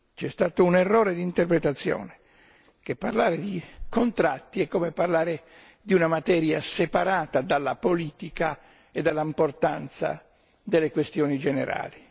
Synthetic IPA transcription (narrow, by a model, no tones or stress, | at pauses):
t͡ʃɛst̪aːt̪ounɛrːɔːɾed̪iːnt̪erpɾet̪at̪sːjɔ̰ːne | kepːarlaːɾed̪ikont̪ɾat̪ːiɛkːomeparlaːɾe | d̪iunamat̪ɛːɾjasepaɾaːt̪ad̪alːapoliːt̪ika | ed̪ːalːaimport̪ant̪sa̰ | d̪elːekwest̪jɔːnid͡ʒɛnḛɾa̰ːli